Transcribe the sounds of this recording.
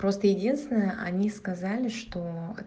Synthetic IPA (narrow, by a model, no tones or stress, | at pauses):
pɾo̞st̪əjɪdʲinst̪ʲɪnəjəʔɐnʲiskɐzalʲɪʂt̪o̞ɛ